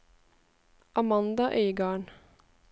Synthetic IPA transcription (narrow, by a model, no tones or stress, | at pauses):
ʔɑmɑnd̪ɑʔœʏɡɑːɳ